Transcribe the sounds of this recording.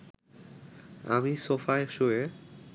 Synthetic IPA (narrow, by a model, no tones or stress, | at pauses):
a̰misofaeʃoe